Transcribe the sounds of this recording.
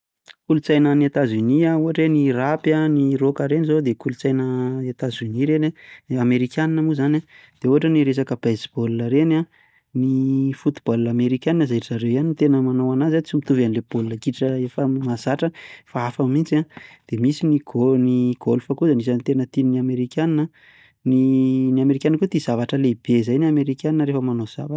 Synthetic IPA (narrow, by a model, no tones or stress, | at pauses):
kulut͡sajnəniat̪azuniauɦaʈ͡ʂenirapanirokaɾenizod̪ekulut͡sajnəiat̪azyniɾenaameɾikʲjaninamuzana | d̪̥euɦaʈ͡ʂəniɾesakəb̥ezib̥olunəɾena | nifut̪u̥b̥alunameɾikʲjaninəzaiiʈ͡ʂaɾewjaniit̪enəmanowanazat͡simit̪uvanileb̥olunəkiʈ͡ʂəefəmazaʈ͡ʂəfaafamint͡sad̪̥emisiniɡniɡ̥olfəkuzanis̬anit̪enət̪ininiameɾikʲjaninə | niniameɾikʲankut̪izavaʈ͡ʂəleb̥ezajnameɾikʲaninəɾefəmanoz̥a̰va